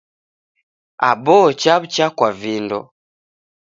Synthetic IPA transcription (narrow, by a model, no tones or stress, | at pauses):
a̰bɔt͡ʃaβut͡ʃakwavindɔ̰